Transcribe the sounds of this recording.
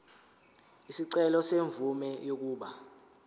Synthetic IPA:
isiǀɛlɔseɱvumɛjok̬uːɓa

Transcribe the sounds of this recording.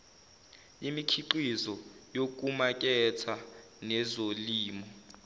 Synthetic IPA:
imikʰiǃizɔjok̬ʼumak̬ʼɛt͡sʰa | nɛzoliːmɔ

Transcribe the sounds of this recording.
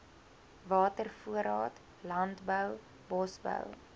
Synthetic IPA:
vɑːtərfuəɾɑːt | lɐntbəw | bɔsbə̰w

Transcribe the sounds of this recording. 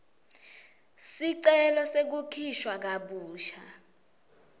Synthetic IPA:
siǀɛlɔsek̬ukʰiʃwak̬aɓuːʃa

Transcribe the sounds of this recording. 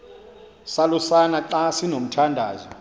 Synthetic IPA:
salusanaǃasinom̩tʰandʱaːzɔ

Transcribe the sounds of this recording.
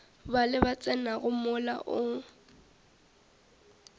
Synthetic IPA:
balɪbat͡sʼɛnaɣʊmʊla̰ʔʊ

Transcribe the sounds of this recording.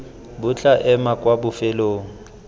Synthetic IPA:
bʊt͡ɬʼaʔɛmakʼwabʊfɛloːŋ̩

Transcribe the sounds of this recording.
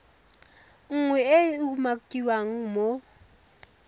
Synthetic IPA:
ŋ̩ŋwɛɛuumak̬tʼiwaŋ̩mɔ

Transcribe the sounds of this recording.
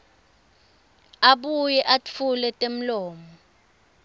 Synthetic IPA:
aɓujɛʔafʰulɛtʼem̩lɔːmɔ

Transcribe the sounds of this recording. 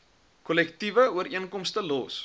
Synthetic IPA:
kɔlɛktivəuəɾiənkɔmstəlɔs

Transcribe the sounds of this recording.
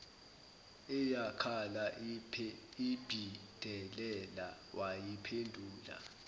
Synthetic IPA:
ɛjakʰala | ib̥ʱid̥ʱɛlɛla | wʔajipʰendʱuːla̰

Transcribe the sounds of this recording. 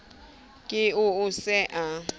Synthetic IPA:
kʼɪʊʊsɛʔa

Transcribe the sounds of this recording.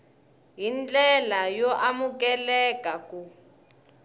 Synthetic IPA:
ɦind͡ɮʼɛlajɔʔamuk̬ʼɛlɛkʼakʼu

